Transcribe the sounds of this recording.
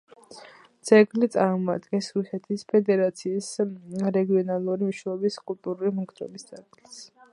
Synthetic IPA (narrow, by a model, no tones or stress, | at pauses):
t̪sʼɛɡlit̪sʼaɾmɔad̪ɡɛnsɾusɛt̪ʰispʰɛd̪ɛɾat̪sʰiːsɾɛɡiɔnalˠuɾimiʃɛɔbiskʼulˠt̪ʼuɾulimuŋɡʰd̪ɾɔ̰bist̪sʼɛɡlis